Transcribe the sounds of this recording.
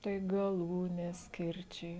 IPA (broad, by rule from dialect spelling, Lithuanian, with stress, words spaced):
ˈtɐɪ ɡɐˈlˠuːnʲeːs ˈkʲɪrʲt͡ʃʲɛɪ